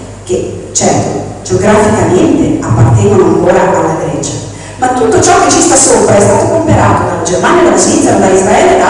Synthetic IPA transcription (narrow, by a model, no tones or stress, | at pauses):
k̟e | t͡ʃːɛrt̪o̰ | d͡ʒeoɡɾafikament̪eapːart̪ɛːvonoaŋkoːɾaʔalːaɡɾɛːt͡ʃa | mat̪ːut̪ːot͡ʃɔk̟ːet͡ʃːist̪asːopɾaɛst̪aːt̪okompeɾaːt̪od̪alːad͡ʒermaːnjalaposvit̪sad̪aizɾaɛːled̪a